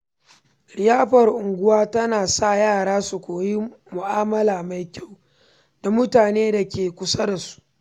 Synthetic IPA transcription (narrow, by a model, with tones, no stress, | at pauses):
ɽɪ˨jaː˦ɸɐ˨rʔʊ˨ŋɡʷʊ˦waː˦tɐ˦naː˨sa˦˨jaː˦˨ɽaː˦su˨kʷoː˨ji˦mʊ˨ʔaː˦mɐ˦laː˨ma˨jkʲa˦˨w | d̥a˨mʊ˦taː˨neː˦da˨kʲeː˨kʷʊ˦sɐ˦da˨su̥˦ʔʔ